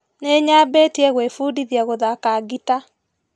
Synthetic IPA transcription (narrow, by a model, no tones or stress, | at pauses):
neɲabetiɛɣwefudiðjaɣoðakaɡita